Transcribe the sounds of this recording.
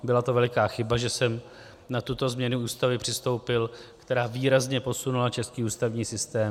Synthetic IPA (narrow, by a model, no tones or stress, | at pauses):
bɪlat̪o̞vɛlɪkaːxɪbaʒɛsɛm | nat̪ut̪o̞zmɲɛnuuːst̪avɪpr̥ɪst̪o̞wpɪlkt̪ɛɾaːviːɾazɲɛpo̞sunulat͡ʃɛskiːuːst̪avɲiːsɪst̪ɛː